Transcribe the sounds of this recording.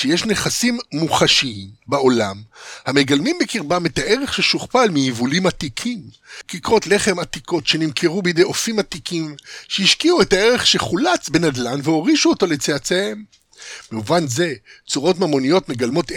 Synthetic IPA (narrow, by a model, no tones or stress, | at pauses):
ʃejeʃne̞χasimːuχaʃiimbeo̞lamhame̞ɡalmimbekiʁbametaʔe̞ʁe̞χʃeʃuχpalmijivulimatikʰim | kikʁo̞tle̞χe̞matikʰo̞tʃe̞nimkʰeʁubejde̞jʔo̞fimatikimʃehiʃkiuethae̞ʁe̞χʃe̞χulat͡sbe̞nadlanveo̞ʁiʃuoto̞let͡seat͡sehe̞m | beuvanze̞t͡suʁo̞tmamo̞nijo̞tme̞ɡalmo̞t